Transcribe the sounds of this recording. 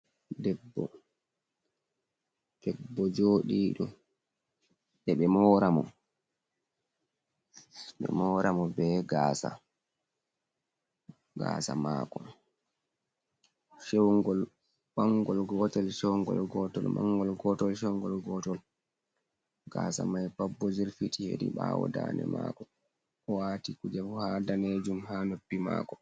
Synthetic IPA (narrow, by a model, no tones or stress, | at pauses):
dɛbːɔ̰ | d̥ɛbːɔd͡ʒoːɗiːɗɔ | ɗɛɓɛmɔːɾamɔ | ɓɛ̰mɔːɾamɔbɛɡaːsa̰ | ɡa̰ːsa̰ma̰ːkɔ | ʃewŋɡɔl | ɓaŋɡɔlɡɔtɛlʃɛwŋɡɔ̰lɡɔtɔlmaŋːɡɔlɡɔtɔlʃ̬ɛwŋɡɔlɡɔːtɔl | ɡ̥asamajpabːɔziɾfitihḛdḭɓawɔ̰daːnɛ̰maːkɔ | ɔwaːtikud͡ʒɛfuhaːdaned͡ʒumhanopːima̰ːkɔ